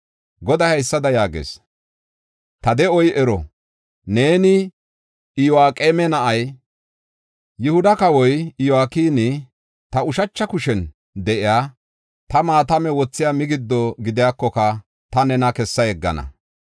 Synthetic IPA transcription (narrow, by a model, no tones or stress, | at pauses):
ɡɔd̪ɐhɐjsːɐd̪ɐjaːɡḛːs | t̪ɐd̪ɛɔjɛɾɔ | ne̞ːnɪ | ɪjɔaːkʼeːmɛnɐʔɐj | jʊhʊd̪ɐkɐwɔjɪjɔaːkiːnɪ | t̪ɐʊʃɐt͡ʃːɐkʊʃɛn | d̪ɛʔɪjaː | t̪ɐmaːt̪ɐmɛwɔt͡sːɪjaːmɪɡɪd̪ːɔɡɪd̪ɪjaːkːɔkɐ | t̪ɐnɛnɐkɛsːɐjɛɡːɐ̰nɐ̰